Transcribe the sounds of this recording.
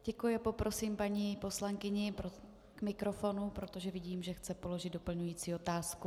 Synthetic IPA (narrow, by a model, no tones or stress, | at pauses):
ɟ̥ɛkujɪapo̞pɾo̞simpaɲipo̞slaŋkɪɲɪpɾo | kmɪkɾo̞fo̞nupɾo̞t̪o̞ʒɛvɪɟiːmʒɛxt͡sɛpo̞lo̞ʒɪd̪dopl̩ɲujiːt͡siːot̪aːsku